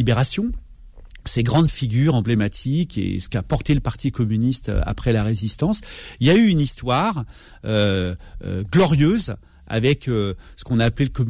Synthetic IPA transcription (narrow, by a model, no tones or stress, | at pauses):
ibeʁasjɔ̃ | seɡʁɑ̃d̪fiɡʲyʁɑ̃blemat̪ʰikḛsə̥kapɔʁt̪eləpaʁt̪ikɔmynist̪ø̰a̰pχɛlaʁezist̪ɑ̃siljayynist̪waʁ | øø̰ɡlɔʁjøz | a̰vɛkøsə̥kɔ̃naːpleləkɔm